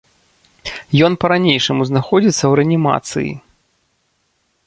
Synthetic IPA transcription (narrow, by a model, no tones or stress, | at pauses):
jɔnpɐɾanʲejʂɐmuznaxɔd͡zʲit̪sːɐwɾɛɐnʲima̰t̪sɨ̰jḭ